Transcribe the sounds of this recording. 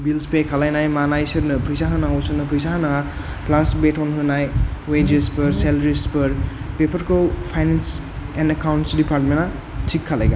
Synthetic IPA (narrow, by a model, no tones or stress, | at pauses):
bilspekʰalajnajmanajsɐɾnɯpʰɯjsaɦɐnaŋawsɯɾnɯpʰɯjsaɦɐnaŋa | plasbetɔnɦɯnajwed͡ʒespɯɾselɾispɐɾ | pepʰɐɾkowpʰajnens | enɐkawnsdipaɾtmena | tʰikʰːala̰jɡa